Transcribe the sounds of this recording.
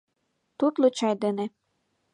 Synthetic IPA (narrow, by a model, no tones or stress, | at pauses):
t̪ut̪lot͡ɕɑjd̪enĕ